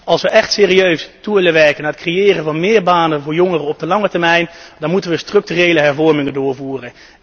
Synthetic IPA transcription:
ɑlˠsʋəʔɛχtseːriøɥstuʋɪlənʋɛɹkənaːətkrejɪːrənvɑnmɪːɹbaːnənvʊːɹjɔŋərəɔb̚dəlɑŋətɛɹmɛjndɑnmutənʋəstrɵk̚tyrejləɦɛɹvɔɹmɪŋəndʊːɹvuːrən

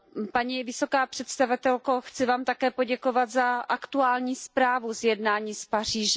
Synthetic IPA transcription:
paɲiːvɪso̞kaːpr̝̥ɛt̪st̪avɪt̪ɛlkoxt͡sɪvaːmt̪akɛːpo̞ɟɛkovad̪zaʔakt̪uaːlɲiːspɾaːvuzjɛdnaːɲiːspar̝iːʒɛ

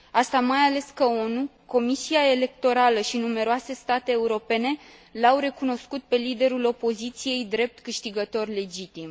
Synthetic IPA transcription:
ast̪amajale̞skəo̞nu | ko̞misiae̞le̞kt̪o̞ɾaləʃinume̞ɾoase̞st̪at̪e̞ːuɾo̞pe̞ne̞lawɾe̞kuno̞skut̪̚pe̞lid̪e̞ɾulo̞po̞zit̪sije̞jd̪ɾe̞p̚t̪kɨʃt̪iɡət̪o̞rle̞d͡ʒit̪im

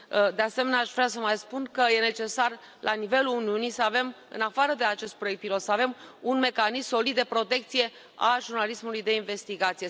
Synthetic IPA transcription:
d̪e̞ase̞me̞neaʃvɾas̬əmajspunkəje̞ne̞t͡ʃe̞sar | lʔanive̞luuniunisəave̞m | ɨ̰nafaɾəd̪e̞at͡ʃe̞st̪̚pɾoekt̪̚pilo̞t̪səave̞munme̞kanisso̞lid̪̚d̪epɾo̞t̪e̞k̚t̪sije̞ | a̰ʒurnalismulujd̪e̞inve̞st̪iɡat̪sije

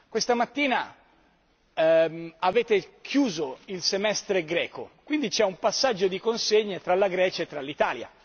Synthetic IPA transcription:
kwest̪amat̪ːiːna | aveːt̪ekʰjuːzoilsemɛst̪ɾeɡɾɛːko̰kwind̪it͡ʃɛumpasːad͡ʒːod̪ikonseɲːet̪ɾalaɡɾɛːt͡ʃaet̪ːɾalːit̪aːlja̰

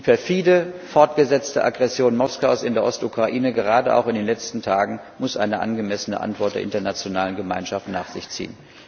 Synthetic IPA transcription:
fɛːɐfiːləfɔɐtɡ̥əzɛt͡stəʔa̰ɡʁɛsjoːnmɔskaʊsɪndeːɐʔɔstʔukʁ̥aʔiːnəɡəʁ̞aːdəʔa̰ʊxɪndeːnlɛt͡stn̩tʰaːɡŋ̩ | mʊsʔa̰ɪnəʔa̰nɡəmɛsənə̰ʔa̰ntv̥ɔɐt̚d̥eɐɪ̰ntɐnat͡sjonaːlənɡəmaɪnʃaftnaːχz̥ɪçt͡sḭːən

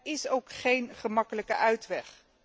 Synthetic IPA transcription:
ɪsowkχejnχəmɑkələkəʔœɥtʋɛχ

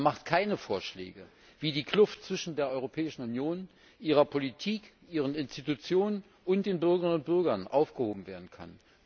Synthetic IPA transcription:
maχtkʰaɪnəfoːɐʃlɛ̰ːɡə | v̥iːdiːkʰl̥ʊftt͡sv̥ɪʃn̩deːɐʔɔʏʁopʰɛːɪʃn̩ʊnjoːn | ʔiːʁ̞ɐpʰolitʰiːkʔiːʁ̞ənɪnstitut͡sjoːnən | ʔʊnt̚d̥eːnbʏɐɡəʁnʊnt̚b̥ʏɐɡɐnʔa̰ʊfɡ̥əhoːbm̩veːɐdn̩kʰa̰n

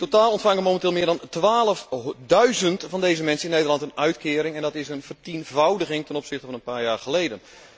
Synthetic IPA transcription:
totaːlˠɔntfaŋəmomɛntɪːlˠmɪːdɑntʋaːlˠəfdœɥzəntfɑndejzəmɛnsəɪnːejdərlɑntənœɥtkɪːɾɪŋɛndɔtɪsənvərtinvawdəɣɪŋtɛnɔpsɪχtəvɑnənpaːɹjaːɹχəlejdən

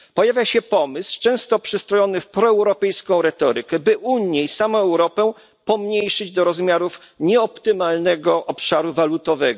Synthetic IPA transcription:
pɔjavʲjaɕɛpɔmɘst͡ʂɛ̃w̃st̪ɔpʂɘst̪ɾɔjɔnɘfpɾɔɛwɾɔpɛjskɔ̃w̃ɾɛt̪ɔɾɘkɛbɘʔuɲjɛisamɔ̃w̃ɛwɾɔpɛ | pɔmɲejʂɘd͡ʑd̪ɔɾɔzmʲjaɾufɲɛɔpt̪ɘmalnɛɡɔʔɔpʂaɾuvalut̪ɔvɛɡɔ

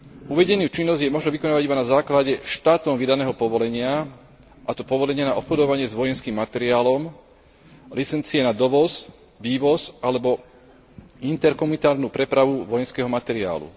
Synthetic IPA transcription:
uʋɛɟɛnuːt͡ʃinːɔzɟjɛmɔʒnɛʋikɔnaːʋaɟibanazaːklaɟɛʃt̪aːt̪ɔmʋid̪anɛːɦɔpɔʋɔlɛɲɪa | ʔat̪ɔpɔʋɔlɛɲɪɛnaɔpxɔd̪ɔʋaɲɪɛzʋɔjɛnskiːmːat̪ɛɾiaːlɔm | lit͡sɛnt͡siɛnad̪ɔʋɔz | ʋiːʋɔzʔalɛbɔ | int̪ɛɾkɔmunit̪aːɾnuːpɾɛpɾaʋuʋɔjɛnskɛːɦɔmat̪ɛɾia̰ːlṵ

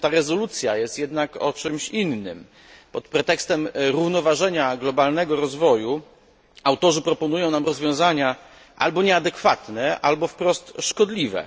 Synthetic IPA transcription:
t̪aɾɛzɔlut̪sʲjajɛst̪jɛd̪nakɔt͡ʂɘmɕinːɘm | pɔt̪pɾɛt̪ɛkst̪ɛmɾuvnɔvaʐɛɲaɡlɔbalnɛɡɔɾɔzvɔju | awt̪ɔʐɘpɾɔpɔnujɔ̃w̃namɾɔzvʲjɔ̃w̃zaɲa | ʔa̰lbɔɲɛad̪ɛkfat̪nɛʔalbɔfpɾɔst̪ʂkɔd̪lʲivɛ̰

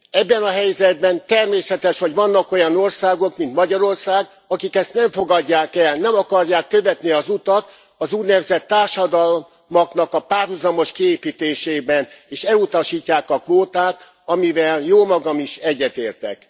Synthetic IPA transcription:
ɛbːɛnɒɦɛjzɛd̪̚bɛnt̪ɛrmeːsɛt̪ɛʃho̞ɟʋɒnːɒko̞jɒno̞rsaːɡo̞kmint̪mɒɟɒɾo̞rsaːɡ | ɒkikɛst̪nɛɱfo̞ɡɒɟːaːkɛlnɛmɒkɒrjaːkːø̞vɛt̪niɒzut̪ɒt̪ | ɒzuːnɛvzɛt̪ːaːrʃɒd̪ɒl | mɒknɒkɒpaːrɦuzɒmo̞ʃkieːpiːt̪eːʃeːbɛneːʃɛlut̪ɒʃiːcːaːkɒkʋoːt̪aːt̪ | ɒmivɛljoːmɒɡɒmiʃɛɟːɛt̪eːrt̪ɛ̰k

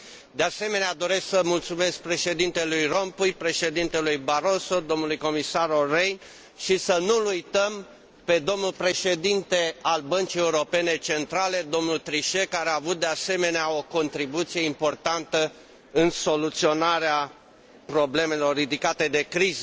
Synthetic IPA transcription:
d̪ease̞me̞nead̪o̞ɾe̞sksəmult̪sume̞sk̚pɾe̞ʃe̞d̪int̪e̞lujro̞mpujpɾe̞ʃe̞d̪int̪e̞lujbaɾo̞so̞d̪o̞mnulujko̞misaɾorejn | ʃisənulujt̪əm | pe̞d̪o̞mnulpɾe̞ʃe̞d̪int̪e̞albənt͡ʃije̞uɾo̞pe̞ne̞t͡ʃe̞nt̪ɾale̞d̪o̞mnult̪ɾiʃe̞kaɾeaːvut̪̚d̪ease̞me̞neao̞ko̞nt̪ɾibut̪sije̞impo̞rt̪ant̪ə | ɨnso̞lut̪sio̞naɾea | pɾo̞ble̞me̞lo̞rːid̪ikat̪e̞d̪e̞kɾizə

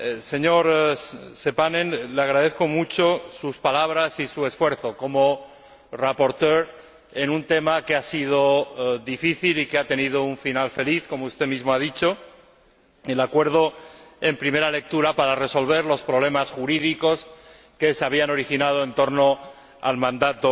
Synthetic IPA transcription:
se̞ɲo̞ɾse̞panẽnleaɣ̞ɾaðe̞θko̞mut͡ʃo̞suspalaβ̞ɾasisue̞sfwe̞ɾθo̞ko̞mo | rapo̞ɾt̪eɾ | e̞nunt̪e̞makeasiðo̞ðifiθilikeat̪e̞nið̞o̞uɱfinalfe̞liθko̞moust̪e̞mizmoaðit͡ʃo̞ | elakwe̞ɾð̞o̞e̞mpɾimeɾale̞k̚t̪uɾapaɾare̞so̞lβ̞e̞ɾlo̞spɾoβle̞masxuɾiðiko̞s | ke̞seaβ̞iano̞ɾixinað̞oe̞nt̪o̞ɾno̞ | a̰lmãnd̪at̪o

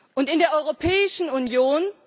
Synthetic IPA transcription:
ʔʊntɪndeːɐʔɔʏʁopʰɛːɪʃn̩unjoːn

